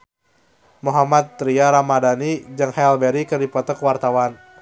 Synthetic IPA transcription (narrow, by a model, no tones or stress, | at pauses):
muɦamat̪̚ːɾiaɾamadanid͡ʒɨŋhɛlbɛɾikɨrdipɔt̪ɔkwart̪awan